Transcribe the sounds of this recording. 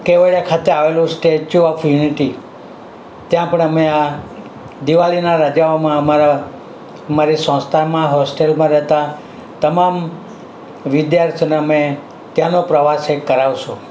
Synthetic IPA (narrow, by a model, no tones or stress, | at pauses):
keʋəɭjakʰat̪eaʋelũsʈet͡ʃuɔfʰjuniʈi | t̪jãpəɳəmea | d̪iʋalinaɾad͡ʒaomãəmaɾa | maɾisɔ̃st̪ʰamãɦɔsʈelmãɾɛɦt̪a | t̪əmam | ʋɪd̪jaɾt̪ʰjoneəme | t̪janopɾəʋasekːəɾaʋʃõ